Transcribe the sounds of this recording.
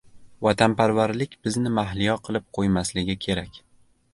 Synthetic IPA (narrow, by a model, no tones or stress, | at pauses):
vɒt̪ʰanpaɾvaɾlɪkʲb̥ɪznɪmaɦlijɒqʰɨlˠɪp̚qʰojmaslɪɡʲɪkʲʰe̞ɾakʲ